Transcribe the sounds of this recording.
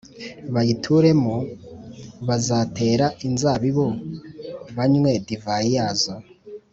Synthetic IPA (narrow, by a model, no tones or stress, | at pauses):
βajitʰuɾe̞mu | βazaːte̞ːɾaʔinzaβiβo | βaɲmwe̞divajijaːzo